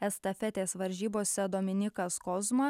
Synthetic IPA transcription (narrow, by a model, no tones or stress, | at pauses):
ɛst̪ɐfʲɛt̪ʲeːsʋɐɾʲʒʲiːboːsʲɛd̪oːmʲɪnʲɪkɐskɔzmɐ